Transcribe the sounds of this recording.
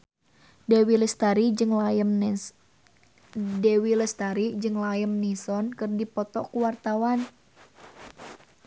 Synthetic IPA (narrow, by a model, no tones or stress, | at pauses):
dewiləst̪aɾid͡ʒɨŋ | dɛwiləst̪aɾid͡ʒɨŋlajəmnisɔnkɨrdipɔt̪ɔkuwart̪awan